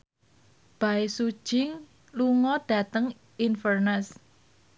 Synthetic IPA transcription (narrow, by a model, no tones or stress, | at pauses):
b̥aɪsu̥ʒ̥ɪŋ | luŋɔd̥ä̤t̪əŋ | infərnəs